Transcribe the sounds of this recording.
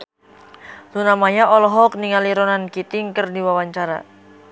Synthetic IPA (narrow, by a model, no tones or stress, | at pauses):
lunamaɲaʔɔlɔɦɔk̚niŋaliɾɔnankit̪iŋkərdiwawaɲt͡ʃaɾa̰